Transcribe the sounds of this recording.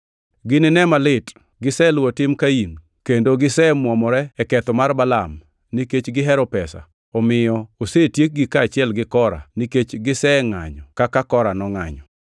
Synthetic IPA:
ɡɪnɪnɛmalɪt | ɡɪsɛlwotɪmkain | kendoɡɪsɛmwɔmɔɾɛɛkɛt̪ɔmarbalam | niket͡ʃɡɪɦɛɾɔpɛsa̰ | ɔmɪjɔosetjek̚ɡikaːt͡ʃɪɛlɡɪkɔɾa̰niket͡ʃɡɪsɛŋa̰ɲɔkakakɔɾanɔŋa̰ɲɔ

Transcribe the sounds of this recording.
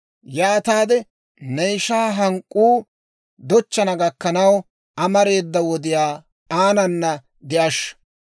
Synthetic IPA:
jaːt̪aːd̪ɛ | nɛjʃaːɦɐŋkʼːuː | d̪ɔt͡ʃːɐnɐɡɐkːɐnɐw | ɐmɐɾe̞ːd̪ːɐwɔd̪ɪjaː | aːnɐnːɐ | d̪ɪʔɐʃ

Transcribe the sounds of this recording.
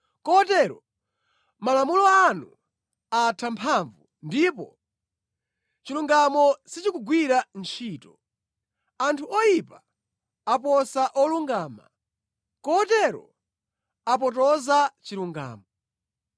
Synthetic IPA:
kɔtɛɾɔ | malamulɔanu | atʰampʰaɱvu | ndipɔ | t͡ʃiluŋɡamɔsit͡ʃikuɡwiɾant͡ʃʰiːtɔ | antʰuɔjipa | ap̬ɔsaʔɔluŋɡaːma̰ | kɔtɛɾɔ | ap̬ɔt̬ɔzat͡ʃiluŋɡa̰ːmɔ

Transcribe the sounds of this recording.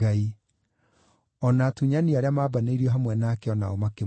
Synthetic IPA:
ai | ɔnatuɲaniaɾeamaːbaneiɾiɔɦamwɛnaːkɛɔna̰omake

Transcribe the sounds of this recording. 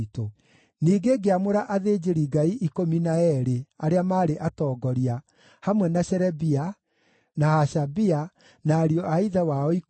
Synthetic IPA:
to | niːɡeɡeamoɾaʔaðeːd͡ʒeɾiɡaiʔikominaɛɾeaɾeamaːɾeʔatɔːɡɔɾia | hamwɛnaɕɛɾɛbia | nahaʃabia | naːɾiɔʔaiðawaɔi

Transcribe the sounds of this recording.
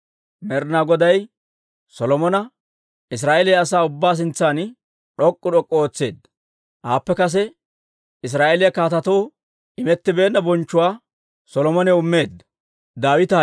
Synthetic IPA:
mɛɾnaːɡɔd̪ɐj | sɔlɔmɔnɐ | ɪs̬ɾaːʔelɪjɐːsaːʊbːaːs̬ɪnt͡sːaːn | ᶑɔkʼːʊɗɔkʼːɔoːt͡sːe̞ːd̪ːɐ̥ | haːpːɛkɐs̬ɛ | ɪs̬ɾaːʔelɪjɐkaːt̪ɐt̪oː | ɪmɛt̪ːɪbe̞ːnːɐbɔnt͡ʃːʊwaː | sɔlɔmɔnɛʊmːe̞ːd̪ːɐ̥ | d̪aːwɪt̪a

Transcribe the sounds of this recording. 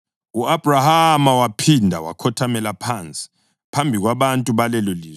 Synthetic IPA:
uab̥rahamawapʰindʱa̰wa̰kʰɔtʰamɛlapʰant͡sʼi̥ | pʰambʱiɣwaβantʼuβalɛloliːzɛ

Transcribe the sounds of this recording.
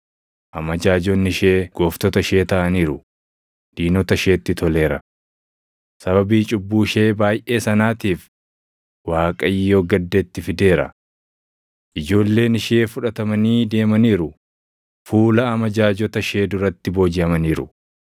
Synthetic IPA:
ʔɐmɐd͡ʒaːd͡ʒɔnːɪʃe̞ːɡ̥oːft̪ɔt̪ɐʃe̞ːt̪ɐʔɐniːɾʊ | d̪̥iːnɔt̪ɐʃe̞ːt̪ːɪt̪ɔle̞ːɾɐ | sɐβɐbiːt͡ʃʼʊbːuːʃe̞ːbaːjʔe̞ːsɐnaːt̪iːf | waːkʼɐɪjːo̞ːɡɐd̪ːeːt̪ːɪfɪd̪e̞ːɾɐ̰ | ʔɪd͡ʒo̞ːlːe̞ːnɪʃe̞ːfʊᶑɐt̪ɐmɐniːd̪e̞ːmɐniːɾʊ | fuːlɐːmɐd͡ʒaːd͡ʒɔt̪ɐʃe̞ːd̪ʊɾɐt̪ːɪbo̞ːd͡ʒɪɐmɐniːɾʊ̰

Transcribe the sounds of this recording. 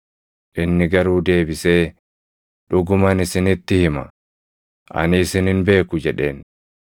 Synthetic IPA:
ʔɪnːɪɡɐɾuːd̪e̞ːbɪse̞ː | ᶑʊɡʊmɐnɪsɪnɪt̪ːɪhɪmɐ̰ | ʔɐ̰nɪsɪnɪnbe̞ːkʊd͡ʒɛᶑe̞̰ːn

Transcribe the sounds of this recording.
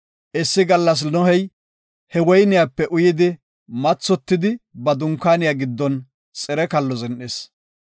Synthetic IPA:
ʔɛsːɪɡɐlːɐs̬nɔhɛj | hɛwɔjnɪjaːpːɛʔʊjɪd̪ɪ | mɐt͡sːɔt̪ːɪd̪ɪbɐd̪ʊŋkːaːnɪjaːɡɪd̪ːɔn | t͡sʼɛɾɛkɐlːɔzɛnʔes

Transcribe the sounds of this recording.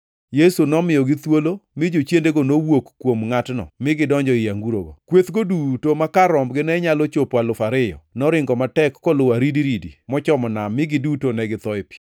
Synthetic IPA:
jesunɔmɪjɔɡɪt̪wolomɪd͡ʒot͡ʃjendeɡonowokːwomŋatnɔ̰mɪɡɪdɔɲd͡ʒɔɪjaŋɡuɾo̰ɡɔ̰kwet̪ɡodutomakaɾɔmbɡɪnɛɲalot͡ʃopwalʊfaɾɪjɔ̰nɔɾɪŋɡɔmatɛkːɔlʊaɾidiɾidḭmɔt͡ʃɔmɔnamɪɡɪdutonɛɡɪt̪ɔɪp

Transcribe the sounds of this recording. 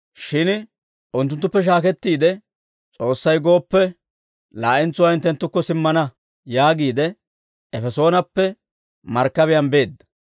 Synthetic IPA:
ʃɪn | ʔʊnt̪ːʊnt̪ːʊpːɛʃ̬aːkɛt̪ːiːd̪ɛ | t͡sʼo̞ːsːɐjɡo̞ːpːɛ | laːʔɪnt͡sʊwaːɪnt̪ːɛnt̪ːʊkːɔsɪmːɐnɐ | jaːɡiːd̪ɛ | ɛfɛso̞ːnɐpːɛ | mɐɾkːɐβɪjɐnbe̞ːd̪ːɐ̥

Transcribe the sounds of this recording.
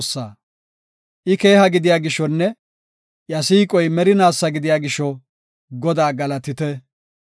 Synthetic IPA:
sːa̰ː | ʔɪke̞ːhɐɡɪd̪ɪjaːɡɪʃːɔnːɛ | jɐsiːkʼɔjmɛɾɪnaːsːɐɡɪd̪ɪjaːɡɪʃːɔ | ɡɔd̪aːɡɐlɐt̪ɪt̪ɛ

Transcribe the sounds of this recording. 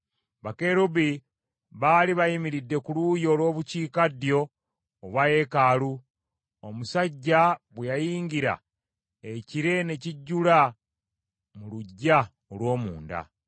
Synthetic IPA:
βakeɾubi | βaːliβajimiɾidːe̞kulujo̞ːlwo̞ːβuciːkadjo̞ː | βwaje̞kalu | omusaɟːaβwejajiːŋɡiɾa̰ | eciɾe̞ne̞ciɟːula | muluɟːa | olwo̞ːmuːnda̰

